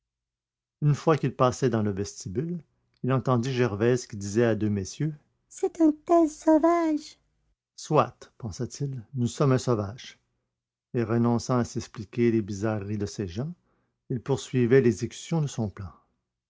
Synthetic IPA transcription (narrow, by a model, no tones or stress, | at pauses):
ynfwakilpasɛd̪ɑ̃ləvɛst̪ibyl | ilɑ̃t̪ɑ̃d̪iʒɛʁvɛzkʲid̪izɛad̪ømesjø | sɛt̪ɛ̃t̪ɛzsɔvaʒ | swat̪pɑ̃sat̪ʰilnusɔmɛ̃sɔvaʒ̥ | eʁənɔ̃sɑ̃asɛksplikʲelebizaʁːid̪əseʒɑ̃ | ilpuʁsɥivɛlɛɡzekʲy̥sjɔ̃d̪əsɔ̃plɑ̃